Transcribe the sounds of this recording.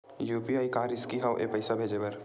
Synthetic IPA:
juːpiaːikaːɾɪskiɦaʋʔḛpɐɪsabʱeːd͡ʒebɐɾ

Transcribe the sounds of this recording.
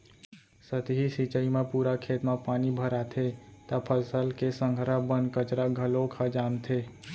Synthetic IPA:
sət̪ɦisit͡ʃəimepuɾakʰet̪mãpaːnibʱəɾat̪ʰet̪əpʰəlsəlkesə̃ŋɡʱəɾabənkət͡ʃɾaɡʱəlokʰad͡ʒant̪ʰe

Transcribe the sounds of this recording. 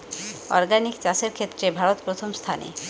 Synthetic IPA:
ɔɾɡanikt͡ɕaseɾkʰet̪ːɾebʱaɾot̪pɾot̪ʰomst̪ʰanḛ

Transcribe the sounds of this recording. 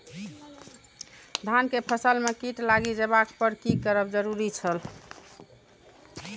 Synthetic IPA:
d̪ʱankepʰəsəlmekiʈlaɡid͡ʒebak̚pəɾkikəɾəbd͡ʒəɾuɾit͡ʃʰəl

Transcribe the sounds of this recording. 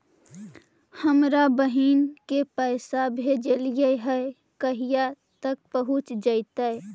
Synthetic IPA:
həmɾabəɦiːnkepəɪsabʱed͡ʒeljəɦəe | kəɦija | t̪ək̚pəɦʊt͡ʃd͡ʒəɪt̪ae

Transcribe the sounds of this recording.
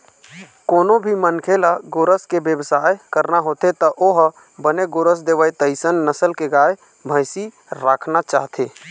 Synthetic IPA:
koːnobʱimənkʰelaɡoɾəskebjəbsajkəɾnaɦot̪et̪əʔoɦ | bəneɡoɾəs̬d̪eʋəjt̪əɪsənːəsəlkeɡae | bʱəjsi | ɾakʰnat͡ʃa̰ːɦt̪e

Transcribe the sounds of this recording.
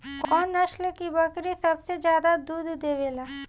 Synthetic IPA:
kɔːnːɐʃlkibɐkɾisɐbsed͡ʒjaːd̪ad̪uːd̪ʱd̪eːʋeːlaː

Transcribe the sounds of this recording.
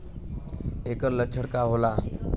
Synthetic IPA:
ekələt͡ɕʰəɽkaɦola

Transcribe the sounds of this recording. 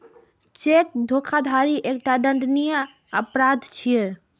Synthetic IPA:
t͡ʃek̪̚d̪ʱokʰad̪ʱaɾiʔekʈaɖə̃nd̪nijə | əpɾad̪ʱt͡ʃʰije

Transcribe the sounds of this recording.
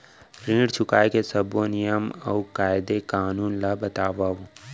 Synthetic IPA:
ɾĩːɽt͡ʃʰʊkaːjkesɐbonɪjəmɐukaːjɪd̪ekaːnuːnlabət̪aːʋaːũ

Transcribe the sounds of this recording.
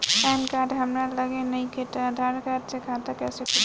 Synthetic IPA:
pɛnkaɖɦəmɾaləɡenəjket̪ad̪ʱaɾkaɖsekʰat̪akɛsek

